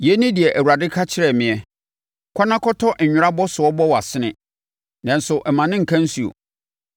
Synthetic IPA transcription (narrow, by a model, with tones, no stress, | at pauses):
jɛ˦nĩ˦di˨ɛ˨ʔæ˨wu˨ɾa˨dɪ˦kʰa˦t͡ɕʰɪ˦ɾɛ˨mɪ̃˨ɛ˨ | kʰɔ˦nã˦kʰɔ˦tʰɔ˦ʔ̩˨ɲᶣʊ˦ɾa˦bɔ˦sʊ˨ɔ˦bɔ˦wa˨sɪ˦nɪ̃˦ | nã˨n˨sʊ˨ʔɛ˨mã˨nɪ̃˦ŋ̩˨kʰã˦n̩˦su˨o̰˨